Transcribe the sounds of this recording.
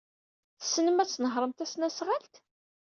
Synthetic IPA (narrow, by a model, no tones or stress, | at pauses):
θə̥sːnəmæt͡sːnəɦɾˤəmt̪æsnæsʁalt̪